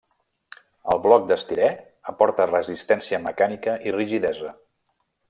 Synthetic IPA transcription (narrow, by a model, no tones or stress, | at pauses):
əlˠβlɔk̚d̪əst̪iɾɛ | əpɔɾt̪ərəzist̪ɛnsiəməkanikəʔiriʒiðɛzə